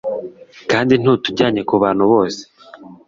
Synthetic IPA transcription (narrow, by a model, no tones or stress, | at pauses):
kaːndin̥uːtuɟaːɲe̞kuβaːn̤̥uβo̞ːse̥